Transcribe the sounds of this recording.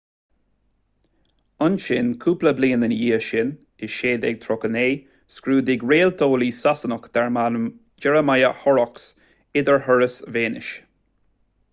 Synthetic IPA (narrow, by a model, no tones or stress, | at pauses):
ənʃɪnkʰuːpləbliːənəniːəʃɪn | ɪʃeːd̪ɛ̰ɡ̚t̪ʰɾɔkəneː | skɾuːd̪ɪɡɹeːlt̪ʰoːliːsasənəkd̪̥ɛɹma | d͡ʒɛɹəmajəhɔɹɔks | ɪd̪əɹɦəɹəsveːnɪ̰ʃ